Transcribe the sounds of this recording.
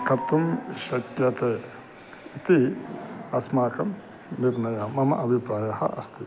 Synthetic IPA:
kɐt̪umʃɐkjɐt̪ɐ | it̪i | ɐsmaːkɐmː | iɾnɐjaːmɐmɐʔɐbʱipɾaːjɐhɐ̰ʔɐst̪ʰi

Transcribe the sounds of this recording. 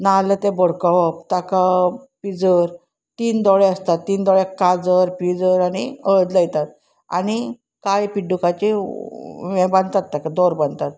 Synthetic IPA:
nalət̪ebɔɽkɔɦɔpt̪akapid͡zəɾ | t̪iːnd̪ɔɭeəst̪at̪ːiːnd̪ɔɭekad͡zəɾpid͡zəɾaɽ̃iəɭd̪ləjt̪at̪̚ | a̰ɽ̃i | kajpiɖukat͡ɕi | mɛ̃bãnt̪at̪ːakad̪ɔɾbə̃nt̪at̪̚

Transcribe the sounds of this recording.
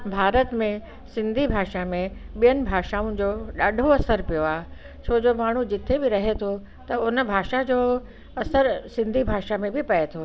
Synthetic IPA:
bʱaːɾət̪mẽ | sɪ̃nd̪ʱibʱaːʃamẽɓijənɪ̆bʱaːʃaːʊ̃d͡ʑoːɗaːɖʱoɐsəɾpijoaːɦe | t͡ɕʰoːd͡ʑomaːɳ̤ud͡ʑɪt̪ʰebɪɾɐɦet̪ʰo | t̪ɐʊnə̆bʱaːʃad͡ʑoː | ɐsəɾsɪ̃nd̪ʱibʱaːʃamẽbɪpɐet̪ʰo

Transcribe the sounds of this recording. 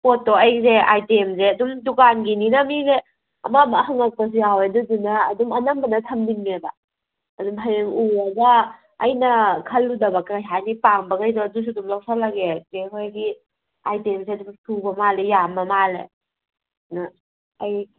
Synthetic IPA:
motːoajzeajtemzeɐdumdukanɡininamize | ɐ̰mamahaŋak̚pɐs̬ujawedudunaːdumɐnambɐnɐtʰɐmdiŋmebaː | dumɦajeŋuaɡaː | jnɐkʰɐlːudɐbakajɦanipaŋbɐɡajzɔdus̬udumlaksʰalaɡezeɦojɡi | ajtemseɐdumtʰubɐmalejamɐmalḛ | na | aj

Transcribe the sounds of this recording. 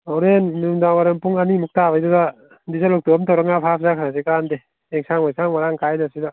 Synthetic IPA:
awɾenːumdaŋmaɾaŋpuŋanimuk̚tabajduda | dis̬alɔk̚tumtawɾaŋapʰapʰzakʰaɾas̬ekandeː | ŋsaŋmajsaŋmaɾaŋkʰajnasida

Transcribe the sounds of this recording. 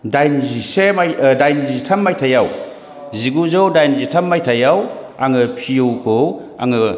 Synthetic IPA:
dajnizisemajdajnizitʰɐmːajtʰajaw | ziɡuzowdajnzitʰɐmːajtʰajaw | aŋɯpʰijowkow | a̰ŋɯ

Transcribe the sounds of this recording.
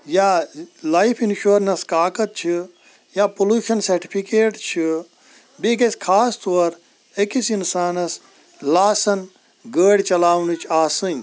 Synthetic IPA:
jalajpʰinʃuːɾnɐskaːkɐt̪̚t͡ʃʰi | jaːpoluːʃɐnsɐɾʈi̥pʰikeːʈt͡ʃʰi | biɡɐskʰaːst̪oɐɾ | ekisinsaːnɐs | laːsɐn | ɡəːɽt͡ʃɐlaːʋnit͡ʃʰaːsɨnʲ

